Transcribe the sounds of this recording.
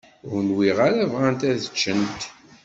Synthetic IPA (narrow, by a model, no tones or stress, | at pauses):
ɾnwiʁaɾævʁænt̪æðət͡ʃːənt̪